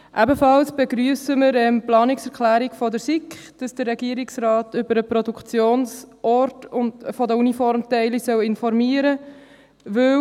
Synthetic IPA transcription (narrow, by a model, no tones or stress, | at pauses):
ʔæbəfɑlsb̥ɛɡɾyːəsəməɾɛmplɑːnɪksɛɾkχlæːɾɪkfɔdəɾsɪkχd̥ɑsd̥ərːɛɡiəɾɪksɾɑːtʏbəɾəpɾɔdukʰt͡sjoːnsʔɔɾtʊnfɔdəunifɔɾmtɛɪlisœwɪnfɔɾmiːəɾə | ʋɵ